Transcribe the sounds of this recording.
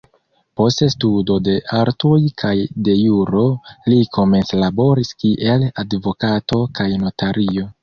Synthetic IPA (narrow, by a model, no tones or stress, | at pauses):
po̞stestudo̞de̞ʔaɾtojkʰajde̞juɾo̞likʰo̞me̞nslabo̞ɾiskiʔe̞ladvo̞kato̞kajno̞taɾio̞